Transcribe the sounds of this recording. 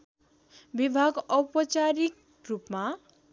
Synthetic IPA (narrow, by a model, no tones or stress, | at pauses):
bibʱaɡʌpʌt͡saɾik | rupma